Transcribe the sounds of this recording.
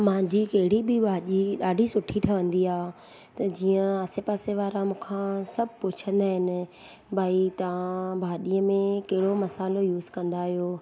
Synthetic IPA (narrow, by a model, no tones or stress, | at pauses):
mãːɲd͡ʑikɐɦɪɽibʱɪbʱaːɗiɗaːɖʱisʊʈʰiʈʰɐʋə̃nd̪iaː | t̪ɐd͡ʑiːə̃aːsepaːseʋaːɾãmũːkʰãsɐbʱɪpʊt͡ɕʰə̃nd̪aːɦɪnɪ̆ | bʱaːit̪ɐʋãbʱaːɗiːəmẽkɐɦɪɽomɐsaːlojuːzkɐ̃nd̪aːɦijoː